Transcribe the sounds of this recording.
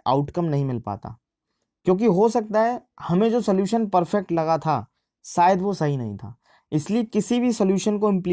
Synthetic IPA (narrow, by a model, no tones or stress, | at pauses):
a̰ʊʈkɐmnɐɦĩmɪlpa̰ːt̪a̰ː | kjõːk̬iɦosɐk̚t̪aɦɛhɐmẽd͡ʒoːsɐljuːʃənpɐɾfɛk̚ʈlɐɣat̪ʰa̰ | saːjəd̪ʋosɐɦinɐɦĩt̪ʰa̰ː | ɪsliekɪsibʱisɐljuːʃənkoɪ̃mpli